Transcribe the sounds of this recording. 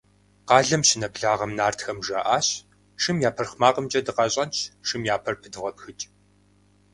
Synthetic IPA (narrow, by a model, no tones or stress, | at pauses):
qɑːɮɐmɕɪnɐbɮaːʁɐmnaːrtxɐmʒɐʔaːɕ | ʂɨmjaːpʰɐrχmaːqəmt͡ʃʼɐdɨqɐɕʼɐnt͡ʃʰʂɨmjaːpʰɐrpʰɨdɨʁɐpxɨt͡ʃʼ